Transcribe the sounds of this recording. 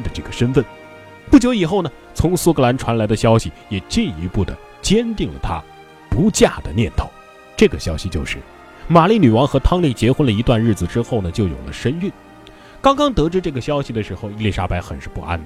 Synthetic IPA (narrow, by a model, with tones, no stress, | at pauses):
d̪ə˨˧ʈ͡ʂɤ˥˩ɡə˩ʂə˥nfə˥˩n | pu˥˩t͡ɕjo˧˥ʊi˨˩xo˥˩ʊnə˩ | t͡sʰʊ˧˥ŋsu˥kɤ˧la˧˥nʈ͡ʂʰwa˧˥nla˧˥ɪd̪ə˧ɕjɑ˥ʊɕi˨jɛ˨˩t͡ɕi˥˩ni˧˥pu˥˩d̪ə̰˩ | t͡ɕjɛ˥nt̪i˥˩ŋlə̰˩t̪ʰa̰˥ | pu˧˥t͡ɕja˥˩d̪ə˩njɛ˥˩nt̪ʰo˧˥˦ʊ | ʈ͡ʂɤ˥˩ɡə˩ɕjɑ˥ʊɕi˨˧t͡ɕjo˥˧ʊʂɻ̩˥˩ | ma˨˩li˥˩ny˨˩wɑ˧˥ŋxɤ˧˥t̪ʰɑ˥ŋli˥˩t͡ɕjɛ˧˥xwə˥nlə˨i˧˥t̪wa˥˧nɻ̩˥˩d͡zɹ̩˩ʈ͡ʂɻ̩˥xo˥˩ʊnə˩t͡ɕjo˥ʊjo̰˨˩ʊlʔə̰˦ʂə˥ny˥˩n | kɑ˥ŋkɑ˥ŋt̪ɤ˧˥ʈ͡ʂɻ̩˥ʈ͡ʂɤ˥˩ɡə˩ɕjɑ˥ʊɕi˨˩d̪ə˩ʂɻ̩˧˥xo˧ʊi˥˧li˥˩ʂa˥pa˧˥ɪxə˨˩nʂɻ̩˥˧pu˥˩ʔa̰˥nd̪ə˩